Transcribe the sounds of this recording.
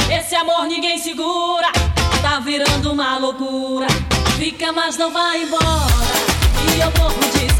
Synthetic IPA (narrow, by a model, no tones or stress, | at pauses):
esɪamoɾnĩɡẽj̃siɡuɾɐt̪aviɾɐ̃nd̪ʊũmɐlokuɾɐfikɐmɐznɐ̃w̃vaẽbɔtɐiawpovʊd͡ʒis